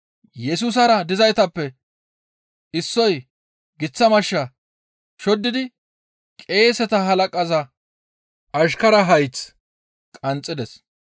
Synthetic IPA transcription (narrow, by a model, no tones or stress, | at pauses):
jɛs̬uːs̬ɐɾɐd̪ɪzɐjt̪ɐpːɛ | ɪsːɔj | ɡɪt͡sːɐmɐʃːɐ | ʃɔd̪ːɪd̪ɪ | kʼe̞ːsɛt̪ɐɦɐlɐkʼɐzɐ | ʔɐʃkɐɾɐɦɐjt͡s | kʼɐnt͡sʼːɪd̪ɛs